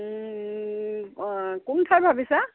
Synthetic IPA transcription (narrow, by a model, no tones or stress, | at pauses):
kuntʰajbʱabisa